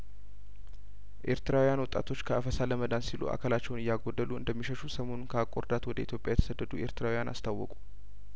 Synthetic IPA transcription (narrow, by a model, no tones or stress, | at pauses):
ʔe̞ɾt̪ɨɾawijanwɔt̪ʼa̰t̪ʰo̞t͡ʃːkʰəʔəfəsaləməd̪ansilṵʔa̰kʰəlat͡ʃːɛwnɨjːaɡo̞d̪ːəluɨ̰nd̪əmːiʃəʃusəmo̞nnkʰəakʼoɾd̪at̪wɔd̪əit̪ʰjopʼjajɛt̪ʰə̥səd̪ːəd̪ue̞̰ɾt̪ɨɾawijana̰st̪ʰawːɔ̰kʼu̥